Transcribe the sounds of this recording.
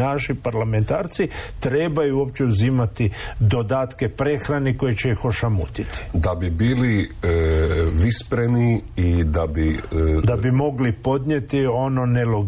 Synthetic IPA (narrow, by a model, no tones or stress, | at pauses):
naʃipaɾlame̞nt̪aːɾt̪sit̪ɾeːbajuo̞pt͡ɕe̞uzimat̪id̪o̞d̪aːt̪ke̞pɾe̞xɾaniko̞jet͡ɕeixo̞ʃamṵt̪it̪i̥d̪abibiːli | ʋispɾemiid̪abid̪abimo̞ɡlipo̞d̪ɲet̪io̞no̞neloɡ